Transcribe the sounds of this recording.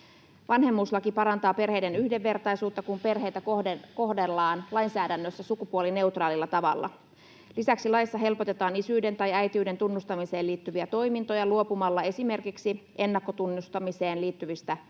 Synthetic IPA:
ʋɑnhe̞mːuːslɑkipɑɾɑnt̪ɑːpe̞rhe̞jde̞nyhde̞ʋːe̞rt̪ɑjsuːt̪ːɑkumpe̞rɦe̞jt̪æko̞hdelːɑːnlɑjnsæːdænːøsːæsukupuoline̞wt̪rɑːlilːɑt̪ɑʋɑ̰lːɑ̰ | lisæksilɑjsːɑɦe̞lpo̞t̪e̞t̪ɑːnisyːde̞nt̪ɑjæjt̪iyːde̞nt̪unːust̪ɑmise̞ːliːt̪ːyʋiæt̪o̞jmint̪o̞jɑluo̞pumɑlːɑe̞sime̞rkiksiʔe̞nːɑkːo̞t̪unːust̪ɑmise̞ːnliːt̪ːyʋist̪æ

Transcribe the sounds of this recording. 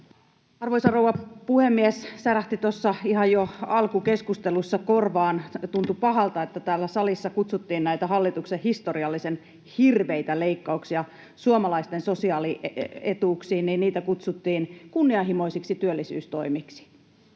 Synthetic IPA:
ɑrʋoisɑrowʋɑpuhemːiessæræht̪it̪osːɑiɦɑjoɑlkuke̞skust̪elusːɑkorʋɑːnt̪unt̪upɑɦɑlt̪ɑet̪ːæt̪æːlːæsɑlisːɑkut̪sut̪ːiːnnæjt̪æɦɑlːit̪uksehist̪oɾiɑlːisen | hirʋeit̪æleikːɑuksiɑ | suomɑlɑist̪enso̞siɑːliet̪uːksiːnniːnniːt̪ækut̪sut̪ːiːnkunːiɑɦimo̞isiksit̪yølːisy̰ːst̪o̞imiksi̥

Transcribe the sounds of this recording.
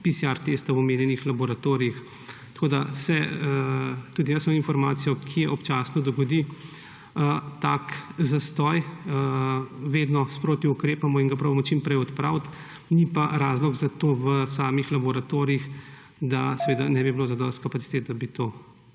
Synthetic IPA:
pisiaɾt̪est̪awɔmeːnjɛnixlabɔɾat̪oːɾijix | t̪ɐkoːd̪asɛ | t̪uːd̪ijɐsmaminfɔɾmaːt̪sijɔkʰijɛʔɔpt͡ʃaːsnɔd̪ɔɡɔd̪i | ət̪aːkzast̪ɔjəʋeːd̪nɔspɾoːt̪iukɾeːpamɔinɡapɾoːbamɔt͡ʃimpɾɛjɔt̪pɾawt̪ | nipaɾaːzlɔɡzat̪oːʋəsaːmixlabɔɾat̪oːɾiix | d̪asɛʋeːd̪anɛbibiloːzad̪ɔst̪kapat̪si̥t̪et̪̚d̪abit̪oː

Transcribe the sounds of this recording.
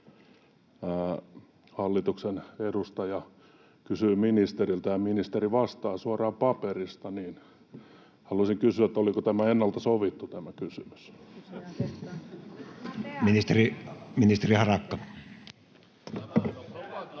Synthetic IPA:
mæː | hɑlːit̪uksenedust̪ɑjɑ | kysyːminist̪erilt̪ɑjɑminist̪eriʋɑst̪ɑːsuɑrɑːmpɑperist̪ɑniːn | hɑluɑsiŋkysyæet̪ːolikot̪æmæenːɑlt̪ɑsoʋit̪ːut̪æmækysymy̥s | minist̪eriminist̪erihɑrɑkːɑ

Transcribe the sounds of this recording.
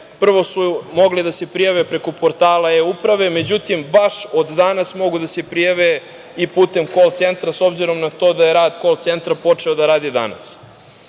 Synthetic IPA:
pr̩ʋo̞sumo̞ɡlid̪ase̞pɾijaʋepɾe̞ko̞po̞ɾt̪aːlaeupɾaʋe̞me̞d͡ʑut̪imbaʂod̪d̪anasmo̞ɡud̪ase̞pɾijaʋe | ipuːt̪e̞mkolt̪sent̪ɾaso̞bziɾo̞mnat̪o̞ːd̪ajeɾaːd̪ko̞lt̪se̞nt̪ɾapo̞t͡ʂe̞od̪aɾaːd̪id̪a̰na̰s

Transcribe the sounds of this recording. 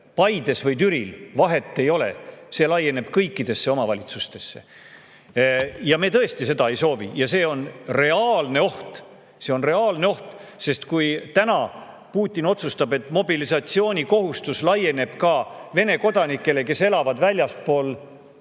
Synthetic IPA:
pɑjd̪e̞svɤjt̪yɾilvɑɦe̞t̪ˑːe̞jo̞le̞̰se̞lɑje̞ne̞b̥kɤjkːid̪̥e̞sːe̞o̞mɑvɑlʲit̪sust̪e̞sːe̞̰ | jɑme̞ːt̪ɤ̞est̪ise̞d̪ɑe̞jso̞ːvḭjɑse̞ːo̞nre̞ɑːlne̞o̞ht̪ | se̞o̞nre̞ɑːlne̞o̞ht̪se̞st̪kujt̪ænɑ | puːt̪ʲːˑino̞t̪sust̪ɑbe̞t̪ːˑmo̞bilisɑt̪sio̞ːnʲiko̞ɦust̪uslɑjːe̞ne̞b̥kɑve̞ne̞ko̞d̪ɑnikːˑe̞le̞ke̞se̞lɑvɑd̪vælʲjɑspo̞ːl

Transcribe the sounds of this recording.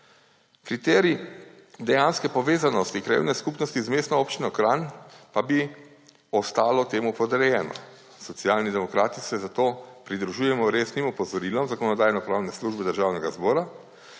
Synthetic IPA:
kɾit̪ɛɾid̪ɛjanskɛpɔʋeːzanɔst̪ikɾjḛːwnɛskupnɔst̪izmeːst̪nɔoːpt͡ʃinɔkɾanpabi | ɔst̪aːlɔt̪eːmupɔd̪ɛɾɛjɛːnɔ̰ | sɔt̪siaːlnid̪ɛmɔkɾaːt̪isɛzat̪oːpɾid̪ɾuʒuːjɛmɔɾeːsnimɔpɔzɔɾiːlɔmzakɔnɔd̪aːjnɔpɾaːwnɛsluʒbɛd̪əɾʒaːwnɛɡazbɔːɾa

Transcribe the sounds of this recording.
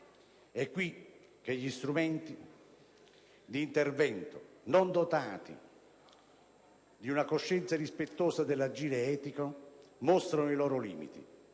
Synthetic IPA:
ɛkːwi | k̟eʎːist̪ɾumɛnt̪i | d̪iːnt̪ervɛnt̪ʊnond̪ot̪aːt̪ḭ | d̪iunakoʃːɛnt̪saɾispet̪ːoːsad̪elːad͡ʒiːɾeɛːt̪ikomost̪ɾanoilɔːɾolḭːmḭt̪ḭ

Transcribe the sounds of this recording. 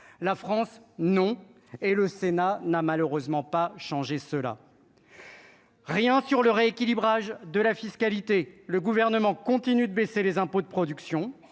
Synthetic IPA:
lafχɑ̃snɔ̃ | eləsenanamaløʁøzmɑ̃paʃɑ̃ʒesəla̰ | ʁjɛ̃syʁləʁeekʲilibʁaʒd̪əlafiskalit̪eləɡuvɛʁnəmɑ̃kɔ̃t̪inyd̪əbeselezɛ̃pod̪əpχɔd̪yksjɔ̃

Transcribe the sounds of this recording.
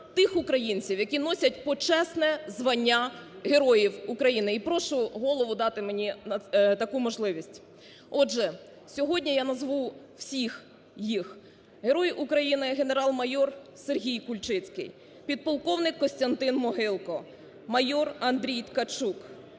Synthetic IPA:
t̪ɪxʊkɾɐjinʲt͡sʲiwjɐkʲinɔsʲɐt̚ʲpɔt͡ʃɛsnɛzʋɐnʲːaɦe̞ɾɔjiwʊkɾɐjinɪipɾɔʃʊɦɔlˠɔʋʊd̪ɑt̪ɪmenʲit̪ɐkumɔʒlˠɪʋʲisʲtʲ | ɔʒɛ | sʲɔɦɔdʲnʲijanɐzʋu | w̥sʲix | jix | ɦe̞ɾɔjʔukɾɐjinɪɦe̞ne̞ɾɑlˠmɐjɔrserɦʲijkʊlʲt͡ʃɪt͡sʲkɪ̰j | pʲid̪̚pɔlˠkɔwnɪkːɔsʲt̪ʲɐnt̪ɪnmɔɦɪlˠkɔ | mɐjɔrɐnd̪ɾʲijt̪kɐt͡ʃuk

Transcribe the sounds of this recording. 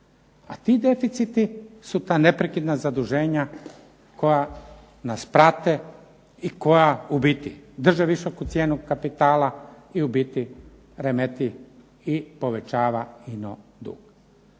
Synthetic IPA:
at̪id̪e̞fit̪sit̪isut̪aːne̞pɾekid̪nazad̪uʒe̞ːɲa | ko̞ja | naspɾat̪e | iko̞jaubit̪id̪r̩ʒeʋiʃokut̪sje̞ːnukapit̪aːla | iubit̪i | ɾemet̪i | ipo̞ʋe̞t͡ʃaːʋainod̪ṵːɡ̥

